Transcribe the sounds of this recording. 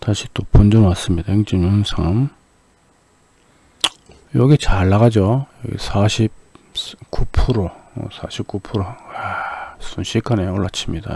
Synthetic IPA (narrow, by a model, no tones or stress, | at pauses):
taɕʰi̥t͈opond͡ʑʌnwas͈ɯmɲidaeŋt͡ɕimonsʰam | jʌɡit͡ɕaɭːaɣad͡ʑojʌɡḭsʰaɕʰip̚skupʰuɾo̰sʰaɕʰip̚k͈upʰuɾoasunɕʰikʰaneʌɭːat͡ɕʰimɲida̰